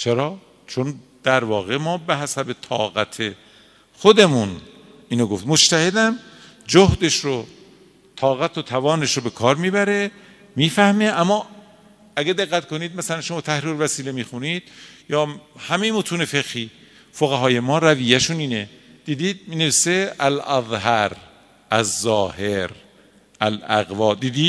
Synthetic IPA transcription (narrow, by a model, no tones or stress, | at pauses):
t͡ʃʰeɾɒː | t͡ʃʰond̪̥æɾvɒːɣe̞mɒːbeɦæsæbe̞t̪ʰɒ̰ːɣæt̪ʰe | xod̪e̞mun | iːnoɡoft̪mot͡ʃt̪ʰæhe̞d̪æm | d͡ʒohd̪e̞ʃɾo | t̪ʰɒːɣæt̪ʰot̪ʰævɒːneʃɾobe̞kʰɒːɾmiːbæɾe | miːfæhmeʔæmːɒː | æɡæd̪eɣːæt̪kʰoniːd̪̚mæsælænʃomɒːt̪ʰæhɾiːɾvæsiːlemiːxuniːd̪̥̚jɒːhæmejemot̪ʰuːnefeɣhiː | foɣæɦɒːje̞mɒːɾæviːjæʃuniːned̪̥iːd̪iːd̪̚mineviːseʔælæðˤhæɾ | ʔæzːɒːheɾ | ʔælæ̰ɣvɒːd̪iːd̪iː